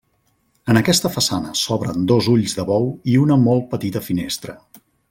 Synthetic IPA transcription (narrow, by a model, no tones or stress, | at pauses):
ənəkɛst̪əfəsanəsɔβɾə̰nd̪ozuʎzðəβɔwiunəmɔl̚ˠpət̪it̪əfinest̪ɾə